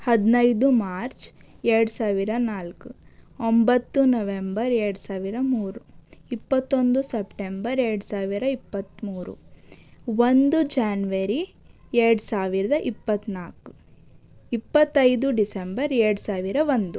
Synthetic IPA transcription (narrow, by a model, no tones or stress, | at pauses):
hɐd̪nɐjd̪umaːɾt͡ʃ | eːɽusaːʋiɾɐnaːlkuombɐt̪ːunɐʋembɐɾeːɽusaːʋiɾɐmuːɾuipːɐt̪ːo̞nd̪usepʈembɐɾeːɽusaːʋiɾɐipːɐt̪ːmuːɾṵ | ʋond̪ud͡ʒaːnʋɐɾi | eːɽusaːʋiɾɐd̪ɐʔipːɐt̪ːnaːku̥ | ipːɐt̪ːɐjd̪uɖisembɐɾeːɽusaːʋiɾɐʋond̪u